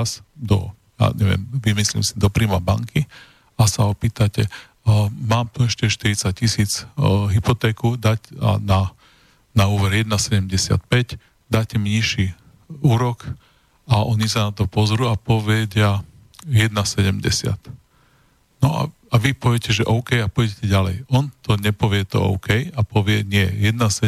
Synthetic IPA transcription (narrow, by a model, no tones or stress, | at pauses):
sd̪ɔ̰ | ja̰ɲɛʋɪɛ̰mʋimislḭːmsid̪ɔpɾiːmaba̰ŋki | asaɔpiːt̪acɛ | maːmt̪uɛʃcɛɛʃt̪iɾit͡sac̚cisiːt͡sɦipɔt̪ɛːkuːd̪aca̰na | nauːʋɛɾjɛd̪nasɛɟɛmɟɛsɪa̰t̪̚pɛc | d̪aːtcɛmiɲiʃi | uːɾɔk | aʔɔɲisanat̪ɔpɔzɾuːapɔʋɛɟa | jɛd̪nasɛɟɛmɟɛ̰sɪa̰t̪ | nɔa̰ | aʋipɔʋjɛcɛʒɛʔɔʊkɛjapɔjɟɛcɛɟalɛjɔnt̪ɔɲɛpɔʋɪɛt̪ɔ̰ɔ̰ʊkɛjapɔʋɪɛɲɪɛjɛd̪nasɛ